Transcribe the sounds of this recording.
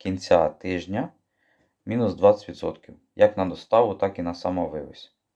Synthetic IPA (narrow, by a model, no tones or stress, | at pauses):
kʲinʲt͡sʲat̪ɪʒnʲɐ | mʲinʊsd̪ʋɑɪ̥tʲʋʲid̪sɔ̰t̪kʲiw | jɐknɐd̪ɔst̪ɑʋʊt̪ɑkinɐsɑmɔʋɪʋɪ̰sʲ